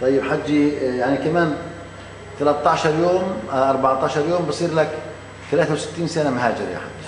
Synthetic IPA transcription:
t̪ˤɑjːəbħad̪ːijaʕnikæmæːn | θælæt̪ˤːɑʕʃɑɾˤjoːmʔɑɾˤbaʕt̪ˤɑʕʃɑɾˤjoːmbsˤiːɾlæk | θælæːθawsə̥t̪ːiːnsænamɦæːd͡ʒɪɾja̰ħa̰d̪

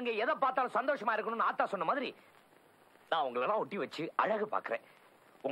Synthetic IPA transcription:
ŋɡeːɛðɐpaːɾt̪aːlʊ̃sɐnd̪oːʂɐmaːɪɾɯkːɐnʊ̃nːaːt̪ːaːsɔnːɐmaːðɪɾi | nãːʊŋɡɐɭɛlːãːɔʈːiʋɐt͡ʃːɯɐɻɐɣɯpa̰ːɾkɯɾḛ̃ː | ʊŋ

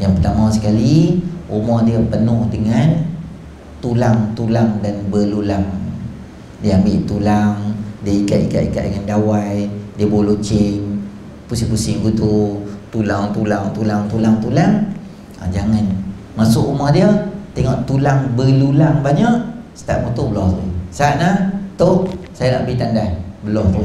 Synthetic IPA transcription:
jaŋpərt̪amasə̥kaliumɔhdiəpənʊhdəŋan | t̪ulaŋt̪ulaŋdanbəlulaŋ | diəambɪʔt̪ulaŋdiəikat̪ika̰ʔ̚ika̰t̪̚dəŋandawajdiəbolot͡ʃɪŋ | pusipusiŋɡut̪ut̪ulaŋt̪ulaŋt̪ulaŋt̪ulaŋt̪ulaŋ | a̰d͡ʒaŋan | masʊʔumahdiət̪ɛŋɔʔt̪ulaŋbəlulaŋbaɲaʔsə̥t̪a̰ʔ̚mut̪ubəlɔht̪oisaːʔ̪naht̪osajana̰ʔbəɾit̪andajbəlɔt̪o

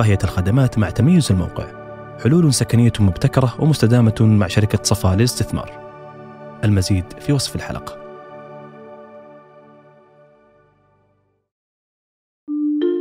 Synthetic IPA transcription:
aːhɪjalxad̪amaːt̪maʕt̪amajːʊzɪlma̰wqɪ̰ʕ | ħʊluːlʊnsakanɪjːamʊbt̪akɑɾˤɑwɪmʊst̪ad̪aːmamaʕʃaɾɪkasˤɑfɑːlɪlɪst̪ɪθmɑ̰ːɾˤ | ʔɪlmaziːd̪fiwɑsˤfɪlħa̰lʔɑ̰qɑ̥

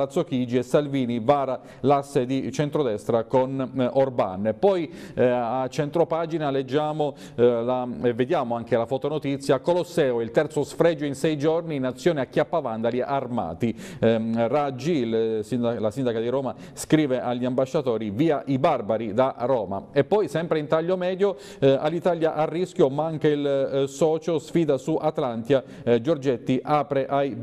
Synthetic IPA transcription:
at̪sokid͡ʒiesalviːnivaːɾa | lasːed̪it͡ʃent̪ɾod̪ɛst̪ɾakonorba̰npɔj | at͡ʃent̪ɾopaːd͡ʒinaled͡ʒːaːmo | laevːed̪jaːmoaŋkelafot̪onot̪it̪sːjakolosɛːoilt̪ɛrt̪sosfɾɛd͡ʒːoinsɛjd͡ʒorniːnat̪sːjɔːneakːjapːavand̪aliʔarma̰ːt̪i | rad͡ʒːilsinlasind̪akad̪iɾoːma | skɾiːveʔaʎːiambaʃːat̪oːɾiviːaʔibarbaɾid̪aroːma̰epːɔjsɛmpɾeint̪aʎːomɛːd̪jo | alːit̪aːljaʔarːisk̟jomaaŋkeilsɔːt͡ʃosfiːd̪asuʔat̪lant̪ja | d͡ʒord͡ʒet̪ːiʔaːpɾeʔaj

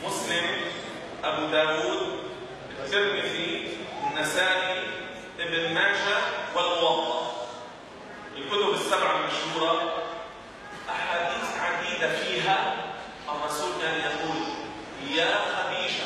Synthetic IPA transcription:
mʊslɪm | ʔabud̪aːwuːd̪̚ | bɪt̪ːɪɾmɪðiɪnːasaːʔi | ʔɪbnɪnːaːʃawɪlwɑt̪ˤːɑ | jɪkʊt̪ʊbɪsːabʕalmaʃhuːɾˤɑ | ʔaħaːd̪iːθʕad̪iːd̪afiːɦa | ʔamːasʊd̪ːaljahuːd̪ | hɪjaxabiːʃa

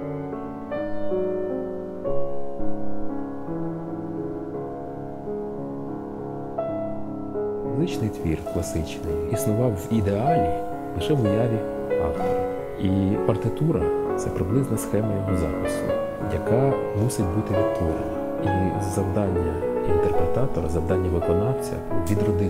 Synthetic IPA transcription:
lˠɪt͡ʃnɪjt̪ʋʲḭrklˠɐsɪt͡ʃnɪjisnʊʋɑwʋid̪eɑlʲi | lˠɪʃɛʋʊjɑʋʲi | ɑ̰ft̪ɔɾɐ | ipɐrt̪ɪt̪uɾɐt̪sɛpɾɪblˠɪznɐsxɛmɐjɔɦɔzɑ̰pɪsʊ̰ | jɐ̰kɑ | musɪt̚ʲbut̪ɪʋʲid̪t̪ɔɾ̰nɐ | izɐwd̪ɑnʲːɐḭnt̪erpɾet̪ɑt̪ɔɾɐzɐwd̪ɑnʲːɐʋɪkɔnɑwt͡sʲɐ̰ʋʲid̪rɔd̪ɪ

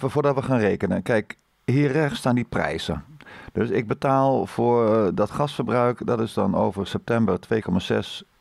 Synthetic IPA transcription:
vʊːɹdɑtʋəχaːnrejkənənkɛjk | hiːrɛxstaːndiprɛ̰jzə̰d̥øsɪɡ̚bətaːlˠfoːɹdɑtχɑstfərbrœɥkdɑtɪzdɑ̰no̰wvərsɛp̚tɛmbərtʋeːkɔmaːzɛ̰s

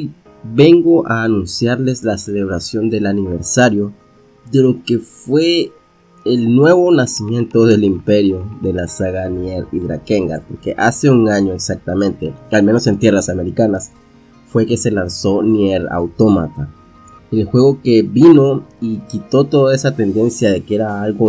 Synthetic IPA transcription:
i | beŋɡoʔaːnũnsjaɾle̞slaseleβ̞ɾasjo̞nd̪elaniβeɾsaɾjo | ðelo̞kefweː | lnweβo̞nasimjẽ̞nt̪oðe̞limpeɾjoðe̞lasaɣanjeɾiðɾa̰keŋɡa̰ɾpoɾkeʔase̞uŋaɲoeksak̚t̪amẽnt̪e̞almeno̞se̞nt̪je̞rasame̞ɾikanas | fwe̞ke̞se̞lanso̞njeɾa̰wt̪o̞ma̰t̪a | elxwe̞ɣo̞keβinoikit̪o̞t̪o̞ðaesat̪end̪e̞nsjaðe̞keeɾaalɣo

